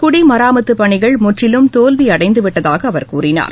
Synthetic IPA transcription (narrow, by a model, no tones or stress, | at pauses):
kʊɽimɐɾaːmɐt̪ːɯpːɐɳɪɣɐɭmʊʈrɪlɯmt̪oːlʋiɐɽɐɪnd̪ɯʋɪʈːɐðaːɣɐːʋɐɾkuːɾɪna̰ːɾ